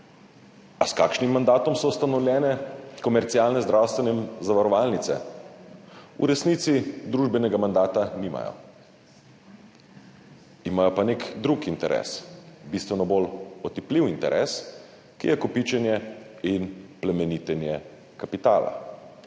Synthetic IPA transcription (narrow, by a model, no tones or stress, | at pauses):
askaːkʃnimːand̪aːt̪ɔmsɔwst̪anɔwlʲjɛːnɛkɔmɛɾt̪siaːlnɛzd̪ɾawst̪ʋɛnɛzaʋaɾɔʋaːlnit̪sɛ̰ | ṵɾɛsniːt̪sid̪ɾuːʒbɛnɛɡamand̪aːt̪aniːma̰jɔ̰ | imajɔpanekd̪ɾukint̪ɛɾʔɛ̰sbist̪ʋɛnɔbolɔt̪ipliwint̪ɛɾʔɛ̰ːs | kḭjɛkɔpiːt͡ʃɛnjɛinplɛmɛniːt̪ɛnjɛ | kapit̪a̰ːla̰